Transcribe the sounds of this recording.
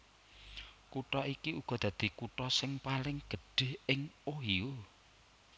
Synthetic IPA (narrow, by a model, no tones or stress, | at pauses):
kuʈɔikiuɡ̥ɔ̤d̪̥ä̤d̪̥i̤kuʈɔsɪŋpalɪŋɡ̥ə̤ɖ̥ɪ̤hɪŋoɦio